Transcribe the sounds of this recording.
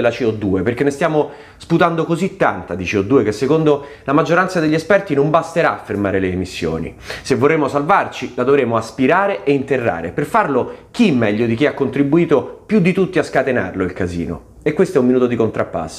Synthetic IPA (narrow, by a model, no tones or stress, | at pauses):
lat͡ʃiɔd̪ːuːeperk̟enːest̪jaːmo | sput̪and̪okozit̪ːant̪ad̪it͡ʃiɔd̪ːuːekesːekond̪o | lamad͡ʒːoɾant̪sad̪eʎːiɛspɛrt̪inombast̪eɾa̰afːermaːɾeleːmisːjo̰ːnḭsevːorːeːmosalvart͡ʃilad̪ovɾeːmoaspiɾaːɾeʔeint̪erːa̰ːɾḛperfarlok̟imːɛʎːod̪ik̟iakːont̪ɾibuiːt̪opjud̪ːit̪ut̪ːiaskat̪ena̰rloilkazḭːno̰ | ekːwest̪oɛuminuːt̪od̪ikont̪ɾapːa̰sː